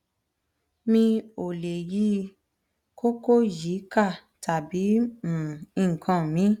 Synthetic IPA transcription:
mĩ˧o˨le˨ji˧˦ | ko˦ko˦˨ji˨˦ka˦˨ | tʰa˨bĩ˨˦˨ | ĩ˦˨ŋ̩˨kʰã˨mĩ˨˦

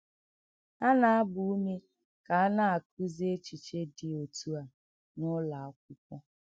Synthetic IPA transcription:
a˦na˨a˦bʊ˨u˦me˦ | ka˨a˦na˦a˨k̚u˦ze˦t͡ʃi˨t͡ʃe˦dɪ˨o˨tu˦a˨ | nʊ˦la˨a˦k̚ʷʊ˦kʷɔ˦

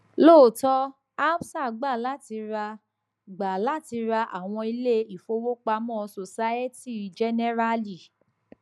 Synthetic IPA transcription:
loː˦˨tɔ˧ | a˦bsa˦˨ɡ͡ba˦˨la˦ti˧ɾa˧ | ɡ͡ba˨la˦ti˧ɾa˧ʔa̰˨w̃ɔ̃˧i˧le˦i˦˨fo˧wo˦k͡pa˧mɔ̃˦˨˧so˨sa˦e˦ti˦˨d͡ʒɛ˦nɛ˦ɾa˦li˦˨

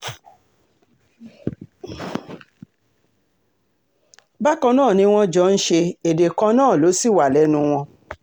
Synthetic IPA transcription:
ba˦kɔ̃˧nãː˦˨nĩ˧w̃ɔ̃˦d͡ʒɔ˨˦˧n̩˦ʃe˧e˨de˨kã˧nãː˦˨lo˨˦si˦˨wa˨lɛ˨˦nũ˧w̃ɔ̃˧

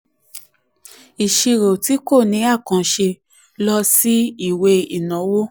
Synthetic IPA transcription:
i˨ʃi˧ɾo˨ti˨˦ko˦˨nĩ˨˦a˦˨kã˨ʃe˧ | lɔ˧si˦i˦˨we˧i˨nã˨˦wo˦

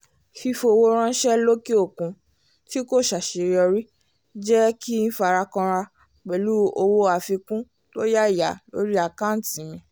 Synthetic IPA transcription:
fi˧fo˧wo˧ɾ̃ã˦n̩˦ʃɛ˦lo˦ki˦o˦˨kũ˨˧ | ti˦ko˦˨ʃa˨ʃe˨ɾi˨ɔ˧ɾi˦ | d͡ʒɛ˦ki˦n̩˦fa˧ɾa˧kɔ̃˧ɾa˧ | k͡pɛ˨lu˦o˧wo˦a˧˨fi˧kũ˦ | to˦ja˦˨ja̰˨lo̰˦ɾi˦a˧˨kã˦˨n̩˨tĩ˨˦mĩ˧

